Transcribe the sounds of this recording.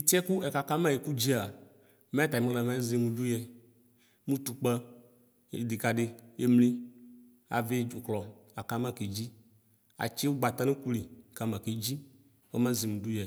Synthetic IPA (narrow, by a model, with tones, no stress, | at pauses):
i˦t̪i˦ɛ˦ku˦ɛ˨ka˨ka˦mã˦˨e˨ku˦d͡ʑi˦a˨ | mẽ˦t̪a˨i˨mẽ˦la˨mã˦ze˨mũ˨ɖu˦jɛ˦ | mũ˦t̪u˨k͡pɛ˦ | ḛ˨d̪i˨ka˨ɖe˦je˦mli˦ | a̰˨ve˦˨klɔ˨a˨ka˦mã˦˨ke˨d͡ʑi˦ | a̰˨t͡ʃe˦wo˦ɡ͡ba˨t̪a˦nẽ˦ku˦li˨ka˨mã˨ke˨d͡ʑi˦ | wɛ˦mã˦zi˨mũ˨ɖu˦jɛ˨